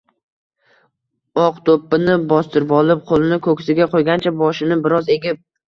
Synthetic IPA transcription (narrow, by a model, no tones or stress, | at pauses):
ɒqt̪ʰopːɪnɪbɒst̪ɪɾbɒlˠɪp̚qʰolˠɪnɪkʰɵkʲsɪɡʲaqʰojɡʲant͡ʃʰabɒʃɪnɪbɪɾɒze̞ɡʲɪp̚